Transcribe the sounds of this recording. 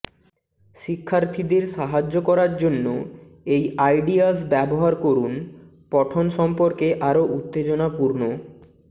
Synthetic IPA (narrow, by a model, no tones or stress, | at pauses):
ʃikʰːaɾt̪ʰid̪eɾʃaɦad͡ʑːokɔɾaɾd͡ʑonːo | ejajɖiasbɛboɦaɾkoɾun | pɔʈʰonʃɔmpoɾkeʔaɾoʔut̪ːed͡ʑonapuɾno